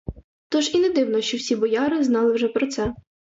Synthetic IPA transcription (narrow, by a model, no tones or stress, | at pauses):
t̪ɔʒined̪ɪwnɔʃt͡ʃɔwsʲibɔjɑɾɪznɑlˠɪwʒɛpɾɔt̪sɛ